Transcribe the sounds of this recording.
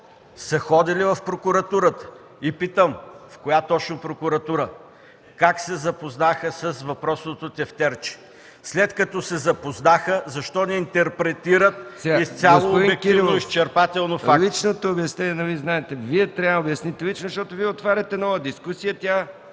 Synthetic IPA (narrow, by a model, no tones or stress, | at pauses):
sɐxɔd̪ilivɐfpɾokʊɾɐt̪uɾət̪ə̥ | ipit̪əmfkojat̪ɔt͡ʃnopɾokʊɾɐt̪uɾə | kaksɛzɐpoznaxəsɐsvɐpɾɔsnot̪ot̪ʲɛft̪ɛɾt͡ʃi̥ | slɛt̪kɐt̪ɔsɛzɐpoznaxəzɐʃt̪ɔnɛint̪ɛɾpɾɛt̪iɾət̪̚sɛɡaist̪sʲjasoːoĩɛkkiiivnoʊist͡ʃɛɾpat̪ɛlˠnofaklit͡ʃnot̪oːbjɐsnɛnʲɛnɐviznaɛt̪ɛviɛt̪ɾʲaobjɐsnit̪ɛlit͡ʃnozʃt̪ɔt̪ʊviɛot̪vaɾʲɐt̪ɛnɔvəd̪iskusijət̪ʲa